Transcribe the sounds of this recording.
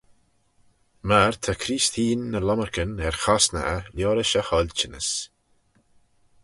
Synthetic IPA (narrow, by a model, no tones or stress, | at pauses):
maɾt̪ʰakʰɾiːst̪ʰiːnːəlɔməɹkənɛɹxasnə̰ʔəljɔːɾəʃəhɔlt͡ʃɪnə̰s